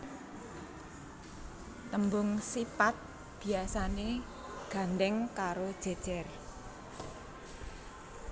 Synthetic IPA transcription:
t̪əmbʊŋsipat̪̚ | b̥i̤asane | ɡ̥a̤nd̪ɛŋkaɾod̥ʒ̥ɛ̤d̥ʒ̥ɛr

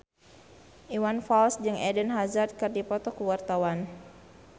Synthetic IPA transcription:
ʔiwanfɔlsd͡ʒɨŋɛdənɦazard̪̚kɨrdipɔt̪ɔkuwart̪awan

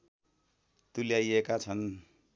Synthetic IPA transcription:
t̪uljajekat͡sʰʌn

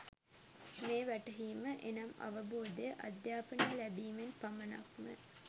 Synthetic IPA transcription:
meːʋæʈɐɦiːməʔenɐmɐ̰ʋəboːd̪ejəʔɐd̪jaːpənɐlæbiːmenpɐmɐnɐ̰kmə̰

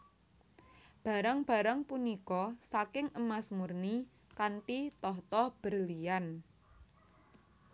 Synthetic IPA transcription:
b̥a̤ɾaŋb̥a̤ɾaŋpunikɔsakɪŋʔəmasmurni | kaɳʈit̪ɔht̪ɔb̥ərlijan

